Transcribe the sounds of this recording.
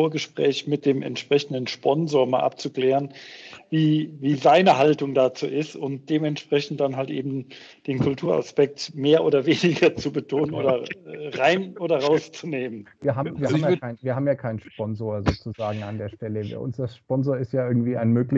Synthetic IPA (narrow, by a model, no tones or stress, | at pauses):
oːɐɡəʃpʁ̥ɛːçmɪt̚d̥eːmʔɛ̰ntʃpʁ̥ɛçn̩dən̩ʃpɔnzoːɐmaːlʔa̰p̚t͡sukl̥ɛːʁənviːviːzaɪnəɦaltʊŋdaːt͡sṵːʔɪstʊnt̚d̥eːmɛntʃpʁ̥ɛçn̩td̥anɦaltʔḛːbm̩d̥eːnkʰʊltʰuːɐa̰spɛk̚tmeːɐʔoːdɐveːnɪɡɐt͡subətʰoːnənʔo̰ːdɐʁaɪnʔoːdɐʁaʊst͡suneːmənviːɐɦaːbm̩viɐhamjaaɪnviːɐhaːbm̩jaːkʰaɪnnʃpɔnzoːɐzoːt͡suzaːɡŋ̩andeːɐʃtɛləv̰ɐʔʊ̰nsdasʃpɔnzoːɐɪstjaːɪɐɡŋ̩tv̥iːaɪnmøːklɪ